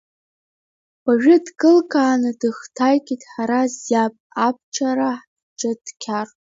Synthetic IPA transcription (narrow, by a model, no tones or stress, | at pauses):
b̥aɥᶣʊdkʼɨlkʼʰaːnɨdɨχtʰajkʲʼitʼħaɾazjapʼap̚ʰt͡ʃʰaɾaħ | ʈ͡ʂʼɨdkʲʰar